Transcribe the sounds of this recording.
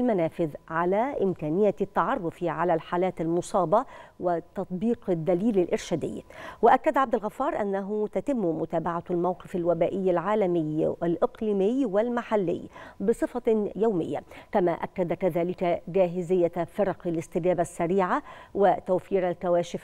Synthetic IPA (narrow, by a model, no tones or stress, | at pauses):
lmanaːfɪðʕalaːʔɪmkæːnɪjːat̪ːɑʕɑrˤːʊfiʕalalħaːlaːt̪almʊsˤɑːbɑwɪt̪ɑt̪ˤbiːqd̪ːaliːlɪlʔɪɾʃad̪ɪ̰jːwɪʔakːad̪ʕab̚d̪alɣɑfːɑːɾˤʔa̰nːaɦʊt̪at̪ɪmːmʊt̪aːbaʕalmawqɪfalwabaːʔɪjːalʕaːlamɪjːalʔɪqliːmɪjwɪlmaħalːɪ̰jːbɨsˤɨfɑjawmɪ̰jːa̰kama̰ʔa̰kːad̪akaðaːlɪkd͡ʒaːɦɪzɪjːafɾˤɑqalɪst̪ɪɡaːbasːaɾiːʕawɪt̪awfiːɾalkawaːʃɪf